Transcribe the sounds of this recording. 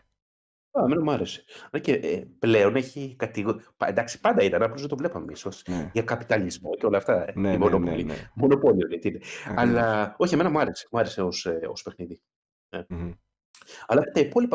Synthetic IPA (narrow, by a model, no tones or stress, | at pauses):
ɐeme̞nɐmuɐɾe̞se̥neceʔple̞o̞neçikɐt̪iɣnd̪ɐksi̥pɐnd̪ɐit̪ɐnɐplozðet̪ovle̞pɐmemiso̞sʝɐkɐpi̥t̪ɐlizmo̞ceo̞lɐːft̪ɐeimonopolimo̞no̞polionet̪ineɐlɐo̞çieme̞nɐmuɐɾe̞se̞̥muɐɾe̞se̞o̞seo̞̰spexniði | ne | ɐlɐft̪et̪ɐipo̞lipɐ